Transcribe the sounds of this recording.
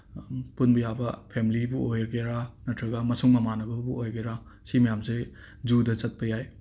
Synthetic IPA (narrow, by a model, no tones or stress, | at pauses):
punbɐjabɐpʰemilibuojɾɡeɾanɐtʰɾɐɡɐmɐsuŋmɐmanɐbɐbuojɡeɾa | simɐjamse | d͡ʒudɐt͡ʃɐt̚pɐjaj